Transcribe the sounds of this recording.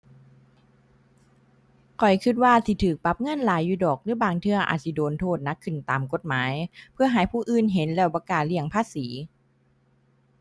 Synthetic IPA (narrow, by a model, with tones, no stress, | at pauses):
kʰɔ˨˩jkʰɯ˧˥t̪̚waː˧t̪ʰiː˧˩t̪ʰɯː˨˩k̚pa˧˥p̚ŋɤ˧˥˨nlaː˨˦jːuː˧˩dɔː˨˩k̚lɯː˨˦˥baː˧ŋt̪ʰɯ˧˩ɐʔa̰ː˨˩t̪̚sʰi˧˩doː˨nt̪ʰoː˧˩t̪̚na˦˥kʰːɯ˨˩nt̪aː˨˩mko˧˩t̪̚maː˩˦jpʰɯ˥˩ɐɦaː˩˦jpʰuː˧˩ʔɯː˧˩nɦe˨˦nlɛː˧˩wbɔ˧kaː˨˩t̪̚li˧˩əŋpʰaː˧˥˨siː˩˦